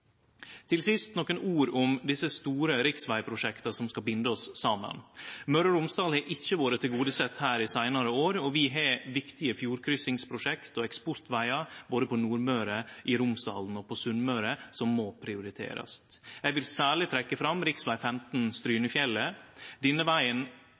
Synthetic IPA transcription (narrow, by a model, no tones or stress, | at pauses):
t̪ʰɪlsɪst̪nɔkːənʔuːɾʊmd̪ɪsəst̪uːɾəɾɪksʋæɪpʰɾʊʂɛkt̪ɑsɔmskɑbɪnd̪əɔsːɑmə̰nmœɾəɾʊmsd̪ɑːlhɛʔɪçːəʋoːɾət̪ʰɪlɡuːd̪əsɛt̪hæːɾɪsæɪnɑɾəoːɾɔʋɪɦɛʋɪkt̪ɪəfjuːɾkʰɾʏsɪŋspʰɾʊʂɛkt̪ɔɛkspɔɾt̪ʋæɪɑɾboːd̪əpʰɔnuːɾmœːɾəʔɪɾʊmsd̪ɑ̰ːln̩ɔpʰɔsʉnmœːɾəsɔmːɔpʰɾɪʊɾɪt̪ʰḛːɾɑ̰st̪jæɪʋɪlsæːɭɪt̪ʰɾɛkːəfɾɑmɾɪksʋæɪfɛmt̪nst̪ɾyːnəfjɛlːəd̪ɪnːəʋæɪən